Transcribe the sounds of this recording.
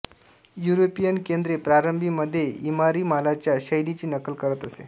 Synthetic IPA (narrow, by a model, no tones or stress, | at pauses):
juɾopijənkend̪ɾepɾaɾəmbʱiməd̪ʱːjeimaɾiːmalat͡ɕjaɕəjlit͡ɕiːnəkəlkəɾət̪əsḛ